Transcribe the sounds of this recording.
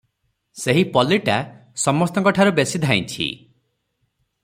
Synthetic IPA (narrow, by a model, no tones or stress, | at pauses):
seɦipɔliʈa | sɔmɔst̪ɔŋkɔʈʰaɾubesid̪ʱaj̃t͡ʃʰḭ